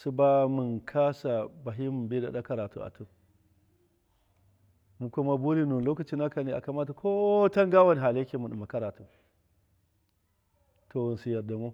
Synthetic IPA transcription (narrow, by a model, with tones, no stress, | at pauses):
su˦ba˦mi˨nkʰa˦sa˨ba˨ɦi˦mu˨nbe˦da̰˨ɗa˦ka˦ɾa˨tṵ˦a̰˨tu˦ | mu˨kʷu˦ma˦bu˦ɾi˦nu˨n˨lo˦ka˨t͡ʃi˦na˦ka˨ne˨ʔa̰˨ka˨ma˦ta˨kʰo˦ta˦ŋɡa˦wa˦ni˨ɦa˨le˦kʲe˦mu˨nu˨ma˨ka˦ɾa˨tu˨ | tʰo˨u˨nsi˨ja˨da˨mo˦